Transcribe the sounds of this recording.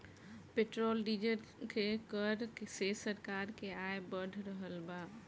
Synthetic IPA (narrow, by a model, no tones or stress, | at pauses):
peʈɾolɖid͡ʒəɾkekəɾsesəɾkaɾkeaebəɽʱɾəɦəlba